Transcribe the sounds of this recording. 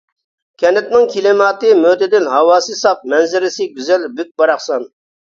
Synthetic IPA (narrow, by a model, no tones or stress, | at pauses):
kʲʰɛnɪt̪nɪŋkʲʰilɪmɑːt̪ɨmød̪ɪd̪ɪnɦɑwɑːsɨsɑq̚mɛnzɪɾɪsɪɡʲyzɛlbyk̚ʲbɑɾɑχsɑn